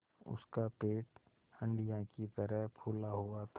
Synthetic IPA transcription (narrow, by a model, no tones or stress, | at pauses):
ʊ̰skapeːʈ | hə̃ɳɖijãkit̪əɾəɦpʰulaɦuat̪ʰ